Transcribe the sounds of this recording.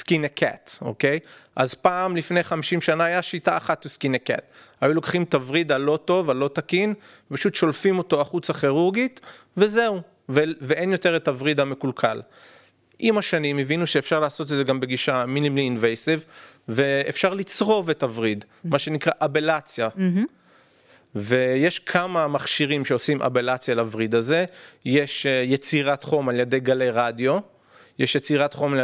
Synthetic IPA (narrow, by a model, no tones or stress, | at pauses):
skinekʰa̰to̞̰ke̞jʔa̰zpaːmlifne̞jχamiʃimʃanaːjaʃitaːχatleskineka̰thajulo̞kχimtavʁid̪alo̞to̞valo̞takin | vvepaʃut̪ʃo̞lfimo̞to̞aχut͡saχiʁuʁɡit | veze̞u | veveenjo̞teʁetavʁid̪ame̞kulkʰa̰l | ʔimaʃanimevinuʃe̞ːfʃaʁlaːso̞t̬edze̞ɡambe̞ɡiʃaminimliːnvejsivveefʃaʁlit͡sʁo̞vetavʁid̪ | maʃe̞nikʁaʔabe̞lat͡sja | ve̞jeʃkʰamamaχʃiʁimʃeosimʔa̰be̞lat͡sjalːvʁid̪aze̞jeʃjet͡siʁatχo̞maljed̪e̞jɡale̞jʁadjo̞ | jeʃjet͡siʁatχo̞mal